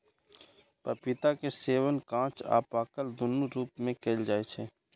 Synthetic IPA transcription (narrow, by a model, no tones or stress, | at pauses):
pəpɪt̪akeseːʋənkãːt͡ʃa̰ːpaːkəld̪ʊnːuɾuːpmẽkeːld͡ʒaːet͡ʃʰeː